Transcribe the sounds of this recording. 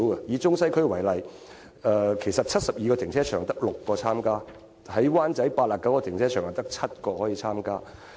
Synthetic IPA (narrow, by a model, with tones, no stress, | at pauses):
wɐ˧jiː˨˧t͡ʃʊ˥ŋsɐ˥jkʰɵ˥ɥwɐ˨˩jlɐ˨j | ɛː˧kʰe˨˩jsɐ˨t̚t͡sʰɐ˥t̚sɐ˨p̚jiː˧kɔ˧t̪ʰɪ˨˩ŋt͡sʰɛː˥t͡ʃʰœː˨˩ŋt̪ɐ˥k̚lʊ˨kːɔː˧t͡sʰaː˥mkaː˥ | hɐ˨˥jwaː˥nt͡sɐ˨˥jpaː˧t̚laː˨˩kɐ˨˥wkɔː˧t̪ʰɪ˨˩ŋt͡sʰɛː˥t͡ʃʰœː˨˩ŋa˨˩t̪ɐ˥k̚t͡sʰɐ˥t̚kɔː˧hɔː˨˥jiː˨˧t͡sʰaː˥mkaː˥